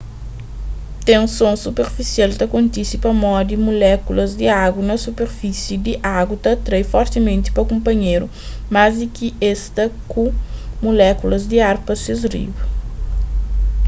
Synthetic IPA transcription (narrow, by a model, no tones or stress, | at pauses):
t̪ẽũsõsupeɾfisialt̪ɐkõnt̪isipɐmɔd̪imulɛkulɐzd̪iaɡwɐnɐsupeɾfisid̪iʔaɡwut̪ɐt̪ɾejfɔɾt̪imẽnt̪i̥pɐkõmpɐɲeɾu | mazd̪ikiest̪ɐkũmulɛkulɐzd̪iaɾpɐsizrḭv